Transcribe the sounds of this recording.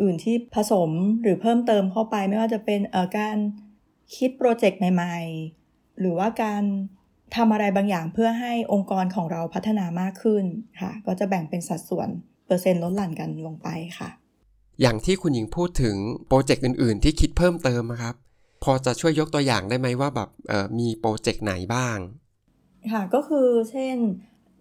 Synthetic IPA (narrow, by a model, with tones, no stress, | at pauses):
ʔɯː˨˩nt̪ʰiː˥˩pʰa˧so˩˦mɾɯː˩˦pʰɤː˥˩mt̪ɤː˧mkʰa˥˩wpa˧jma˥˩jwaː˥˩t͡ɕa˨˩pe˧nʔəː˨˩kaː˧n | kʰi˦˥t̪̚pɾoː˧t͡ɕe˨˩k̚ma˨˩jma˨˩j | ɾɯː˩˦waː˥˩kaː˧n | t̪ʰa˧mʔa˧ɾa˧jbaː˧ŋjaː˨˩ŋpʰɯ˥˩ɐɦa˥˩jʔo˧ŋkɔː˧nkʰɔː˩˦ŋɾa˧wpʰa˦˥t̪ʰːa˧naː˧maː˥˩kʰːɯ˥˩nkʰa̰˥˩kɔː˥˩t͡ɕa˨˩bɛ˨˩ŋpe˧nsa˨˩t̪̚su˩˦ən | pɤː˧se˧nlo˦˥t̪̚la˨˩˦nka˧nlo˧ŋpa˧jkʰa̰˥˩ | jaː˨˩ŋt̪ʰiː˥˩kʰu˧nji˧ŋpʰuː˥˩t̪ʰːɯ˩˦ŋpɾoː˧t͡ɕe˨˩k̚ʔɯː˨˩nʔɯː˨˩nt̪ʰiː˥˩kʰi˦˥t̪̚pʰɤː˥˩mt̪ɤː˧mː˧kʰa˦˥p̚ʰː | ɔː˧t͡ɕa˨˩t͡ɕʰu˥˩əjːo˦˥k̚t̪u˧əja̰ː˨˩ŋdaː˥˩jma˦˥jwaː˥˩bɛ̰ː˨˩p̚ʔɤː˨˩miː˧pɾoː˧t͡ɕe˨˩k̚na̰˩˦jbaː˥˩ŋ | kʰa˥˩kɔː˥˩kʰɯː˧t͡ɕʰe˥˩n